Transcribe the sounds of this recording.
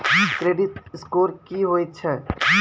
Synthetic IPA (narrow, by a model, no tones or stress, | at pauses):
kɾeːɖɪt̪ɪskoːɾkiɦoːit̪̚t͡ʃʰɛ